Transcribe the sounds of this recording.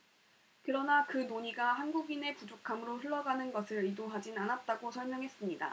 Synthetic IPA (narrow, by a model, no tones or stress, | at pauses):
kɯɾʌnakɯnoɲiɡahanɡuɡine̞pud͡ʑokʰamɯɾoɸɯɭːʌɡanɯnɡʌsʰɯɾidoɦad͡ʑinanat̚t͈aɡosʰʌɭmjʌŋɦe̞s͈ɯmɲida̰